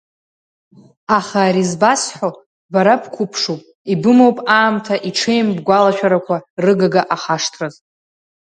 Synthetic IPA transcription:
aχaːɾizbasħʷo | baɾapʰkʷʰʊpʰʂupʼ | ibɨmowpʼaːmtʰaʔiʈ͡ʂʰejmbɡʷalaʃᶣaɾakʷʰarɨɡaɡaʔaχaʂtʰraz

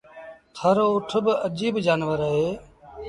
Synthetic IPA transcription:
t̪ʰəɾoːʊʈʰbəd͡ʒiːbd͡ʒaːnʋəɾəɦeː

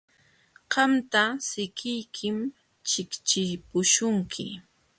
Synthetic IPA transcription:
ɢɑmt̪asɪkɪjkʰɪm | t͡ʃɪkt͡ʃɪpʊʃʊŋkʰɪ

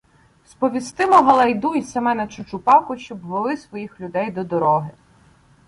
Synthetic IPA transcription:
spɔʋʲist̪ɪmɔɦɐlˠɐjd̪uisɐmɛnɐt͡ʃʊt͡ʃʊpɑkʊʃt͡ʃɔbʋelˠɪsʋɔjixlʲʊd̪ɛjd̪ɔd̪ɔɾɔɦɪ

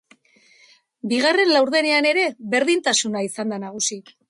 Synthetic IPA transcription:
biɣ̞are̞nlawɾðe̞ne̞ane̞ɾe̞βe̞ɾðint̪asunaisand̪anaɣ̞usi

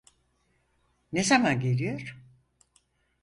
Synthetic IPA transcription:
nezamanɟe̞lʲijo̞ɾ̥

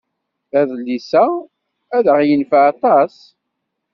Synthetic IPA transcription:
æðlːisæ | æðəʁjənfaɑt̪ˤɑs

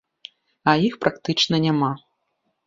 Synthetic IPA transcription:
ɐjixpɾakt̪ɨt͡ʂnɐnʲama

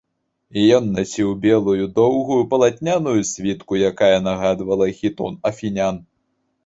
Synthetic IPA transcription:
ijɔnːasʲiwbʲɛlˠujud̪ɔwɣujupɐlˠat̪ʲnʲanujusʲvʲit̪kujakajɛnaɣad̪vɐlˠɐxʲit̪ɔ̰nɐfʲinʲan

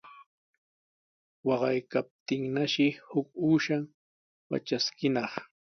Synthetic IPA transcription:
wɑɢɑjkap̚t̪ɪŋnaʃɪhʊkuːʃaŋ | wa̰t͡ʃaskɪnɑχ

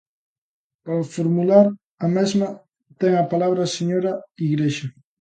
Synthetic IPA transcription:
paɾafoɾmulaɾ | ɐmɛzmɐ | t̪ɛŋɐpalaβ̞ɾɐseɲoɾaiɣɾeʃa

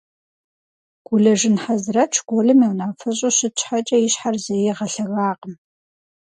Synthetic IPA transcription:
ɡ̥ʷʊɮɐʒɪnħazrɐt͡ʃʰɡʷɔɮɨmiwnaːfɐɕʼoɕɪt͡ʃʰʼħat͡ʃʼɐjɪɕħarzɐjɛʁɐɬɐɣaːqəm

